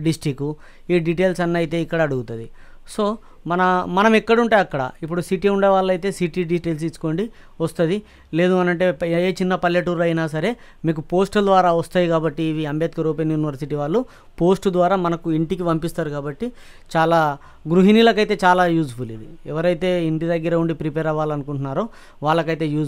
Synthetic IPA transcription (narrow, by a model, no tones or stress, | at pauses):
ɖisʈikːu | iːɖiʈe̞ːlsɐnːɐjit̪e̞ːikːɐɽɐːɽuɡut̪ud̪i | so̞ː | mɐnɐmɐnɐmikːɐɽuɳʈaːjɐkːɐɽɐ̰ipːuɽusiʈiuɳɖeːʋaːɭːɐjt̪e̞ːsiʈiɖiʈeːls̬it͡ʃːu̥ko̞ːɳɖi | ʋɐst̪ɐd̪i | le̞ːd̪uɐnɐɳʈe̞eːt͡ʃinːɐpɐljeʈuːɾlɐjnaːsɐɾe̞ː | miːk̬upo̞ːsʈɐld̪ʋaːɾaːʋɐst̪aːjikaːbɐʈːiːʋiɐmbʱjɐːt̪̚kɐɾoːpenjuːniʋɐɾsiʈiʋaːɭːu | po̞ːsʈd̪ʋaːɾaːmɐnɐkuiɳʈikiʋɐmpist̪aːɾukaːbɐʈːi | t͡ʃaːlaː | ɡɾuɦinilɐkɐjt̪e̞ːt͡ʃaːlaːjuːd͡ʒpulḭːd̪iɛʋɐɾɐjt̪e̞ːiɳʈid̪ɐɡːɐɾɐuɳɖipɾipeːɾɐʋaːlɐnukuɳʈunːaːɾoː | ʋaːɭːɐkɐjt̪e̞ːjuː